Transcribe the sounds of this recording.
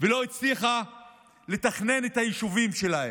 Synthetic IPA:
velo̞it͡sliχa | le̞taχne̞netajiʃuvimʃe̞lahem

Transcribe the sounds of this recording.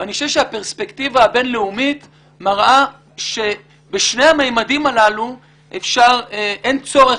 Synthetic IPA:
aniʃoevʃehapeʁspekt̪ivaːbe̞nleumit | maʁʔa | ʃe̞ | beʃne̞jamejmadimalalu | ʔefʃaʁʔent͡so̞ʁe

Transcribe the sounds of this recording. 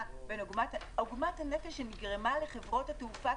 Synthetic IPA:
benoɡmat | oɡmathanefeʃeniɡʁemale̞χe̞vʁo̞thateufa

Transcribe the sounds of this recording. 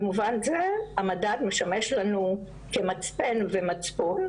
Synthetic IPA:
muvanzeamadat̪meʃameʃlanu | kemat͡spenvemat͡spon

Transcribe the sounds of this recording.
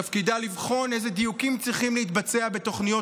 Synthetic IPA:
afkid̪alivχo̞ne̞jzed̪ijukimt͡sʁiχimlehit̪bat͡seabe̞t̪o̞χnijo

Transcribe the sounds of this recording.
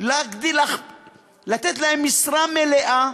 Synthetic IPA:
laɡd̪ila | lat̪et̪laemːisɾameleʔa

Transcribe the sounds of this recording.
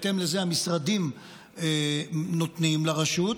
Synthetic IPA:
t̪e̞mlezeamisʁadim | enot̪nimlaʁaʃut̪

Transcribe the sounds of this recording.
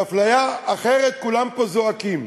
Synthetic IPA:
aflajaːχe̞ʁet̪̚kulampozoakim

